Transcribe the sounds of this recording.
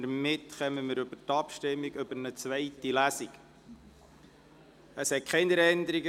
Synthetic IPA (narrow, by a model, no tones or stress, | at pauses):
əmɪtχœməməɾɵbətɑpʃtɪmːiɡɵbəɾnət͡sʋɛɪtilæsiɡ | əshɛt̚kʰɛɪnəɾɛndəɾiɡə